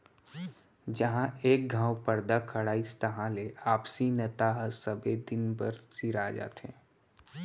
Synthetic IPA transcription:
d͡ʒɐɦãeːk̚ɡʱãːwpəɾd̪akʰəɽaːist̪əɦãleʔaːpsinɐt̪aɦsəbed̪ɪnbəɾsiɾaːd͡ʒa̰ːt̪ḛ̃ː

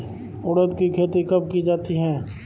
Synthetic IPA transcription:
ʊɽət̪kikʰeːt̪ikɐp̚kid͡ʒaːt̪iɦɛ̃ː

